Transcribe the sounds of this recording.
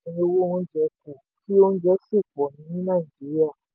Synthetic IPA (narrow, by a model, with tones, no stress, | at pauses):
ẽ˧o˧wo˦˨w̃ɔ̃˧˦d͡ʒɛ˧˦ku˨ki˦o˧n̩˦d͡ʒɛ˧˦si˦˨k͡pɔ˨nĩ˧˦nĩ˦nã˦˨i˨d͡ʒi˦ɾi˦a˦˨